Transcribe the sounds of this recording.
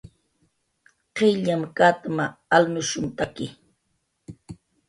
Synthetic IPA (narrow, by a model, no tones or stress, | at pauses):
qɪʎamkat̪maːlnʊʃʊnt̪akɪ